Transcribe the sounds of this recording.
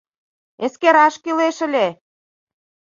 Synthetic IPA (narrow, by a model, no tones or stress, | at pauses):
eskeɾɑʃkileʃə̆lʲe